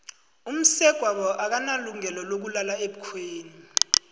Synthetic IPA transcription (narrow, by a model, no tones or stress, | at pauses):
um̩sɛɡ̥ʱwaɓɔʔak̬analuŋɛlɔlok̬ulalaeɓukʰweːni